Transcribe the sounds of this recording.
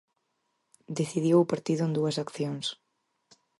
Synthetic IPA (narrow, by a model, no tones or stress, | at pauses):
d̪eθiðjowpaɾt̪iðʊend̪uɐsakθjoŋs